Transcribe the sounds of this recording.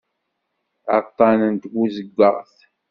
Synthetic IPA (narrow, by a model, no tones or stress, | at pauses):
ə̰t̪ˤːɑnənt̪ɡuzəɡʷːəʁθ